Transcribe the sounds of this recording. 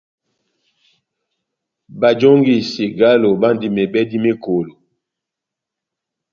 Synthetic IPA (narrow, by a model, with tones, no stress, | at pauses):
ba˨d͡ʒo˦ŋɡi˨si˨ɡa˦lo˨ba˦ndi˨me˨bɛ˦di˦me˦ko˨lo˨